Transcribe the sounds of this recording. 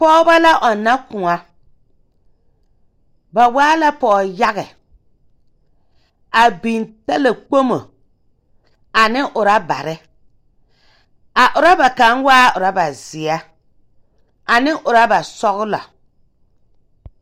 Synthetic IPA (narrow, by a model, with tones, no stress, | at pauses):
pɔː˦ba˦la˦ʔɔ˨nːa˦kʊ˨ŋa˦ | ba˨waː˦la˦pɔː˨ja˦ɣɛ˨ | a˨bi˨nta˦le˨k͡po˦mo˨ | a˨nɪ˦ʔʊ˨ɾa˦ba˨ɾɪ˦ | a˨ʔʊ˨ɾa˦ba˨ka˨˦nwaː˦ʊ˨ɾa˦ba˨zɪ˨a˦ | a˨nɪ˦ʔʊ˨ɾa˦ba˨sɔ˦ɣʊ˦lɔ̰˨